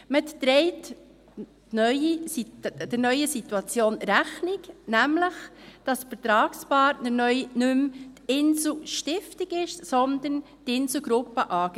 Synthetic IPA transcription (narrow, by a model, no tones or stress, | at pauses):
mət̪t̪ɾɛɪt | nœʏisid̥ɪnœʏəsituɑt͡sjoːnɾæχnɪknæmləχd̥ɑsfəɾt̪ɾɑːkspɑːɾtnəɾnœʏnɵmtɪnsl̩ʃtɪftiɡɪʃsɔnd̪ən | tɪnsl̩ɡɾʊpːəʔɑːɡ